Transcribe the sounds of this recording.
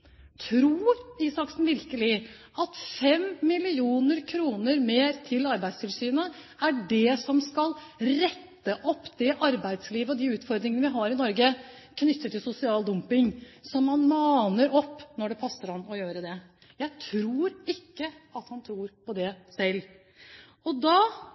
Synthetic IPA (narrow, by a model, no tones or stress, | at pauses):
t̪ʰɾuːɾɪsɑksn̩ʋɪɾkəlɪ | ʔɑt̪fɛmːɪlɪuːnəɾkʰɾuːnəɾmeːɾt̪ʰɪlɑɾbæɪst̪ʰɪlsyːnə | æɖɛsɔmskɑl | ɾɛt̪ːəʔɔpːd̪ɛʔɑɾbæɪd̪sliːʋəɔd̪iʉːt̪fɔɾd̪ɾɪŋənəʋɪɦɑɾɪnɔɾɡə | kʰnʏt̪ːət̪ːɪlsʊsɪɑːld̪ʊmpɪŋsɔmːɑnmɑːnəɾɔpːnɔɖɛpʰɑsːəɾɑnːɔjøːɾəd̪ɛ | jæɪt̪ʰɾuːɾɪkːəɑt̪hɑnt̪ʰɾuːɾpɔd̪ɛsɛlː | ɔd̪ɑː